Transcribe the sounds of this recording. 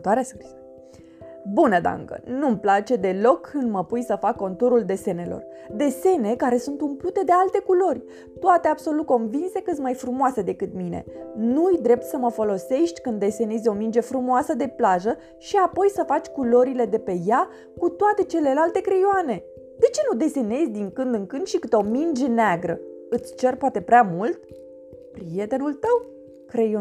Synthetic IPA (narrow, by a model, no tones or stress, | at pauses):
t̪aɾeaskɾizə | bunəd̪a̰ŋɡə̰numplat͡ʃe̞d̪e̞lo̞kʰːɨnd̪məpujsəfakːo̞nt̪uɾuld̪e̞se̞ne̞lo̞̰r | d̪e̞se̞ne̞kaɾe̞sunt̪umplut̪e̞d̪e̞alt̪e̞kulo̞rʲ | t̪oat̪eabso̞lut̪̚ko̞nvinse̞kɨmajfɾumoase̞d̪e̞kɨt̪mine̞̰nuɨjd̪ɾe̞p̚t̪səməfo̞lo̞se̞ʃt̪ʲkɨnd̪e̞se̞nizʲo̞mind͡ʒe̞fɾumoasəd̪e̞plaʒə | ʃiapo̞jsəfat͡ʃʲkulo̞ɾile̞d̪e̞pe̞ja | kut̪oat̪e̞t͡ʃe̞le̞lalt̪e̞kɾe̞joane̞ | d̪e̞t͡ʃe̞nud̪e̞se̞ne̞zʲd̪iŋkɨnd̪ɨŋkɨnd̪ʃikɨt̪o̞mind͡ʒe̞neaɡɾə | ɨt̪sʲt͡ʃe̞rpoat̪e̞pɾeamult̪̚ | pɾije̞t̪e̞nult̪əw | kɾe̞jo